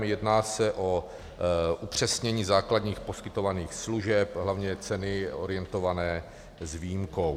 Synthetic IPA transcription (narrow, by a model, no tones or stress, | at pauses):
mjɛdnaːsɛʔo̞ | ʔupr̝̥ɛsɲɛɲiːzaːkladɲiːxpo̞skɪt̪o̞vaniːxsluʒɛpɦlavɲɛt͡sɛnɪo̞̰ɾɪjɛnt̪o̞vanɛː | zviːjimkow